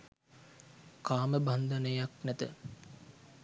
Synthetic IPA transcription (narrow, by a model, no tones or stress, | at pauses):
kaːməband̪ənəjaknæt̪ə̰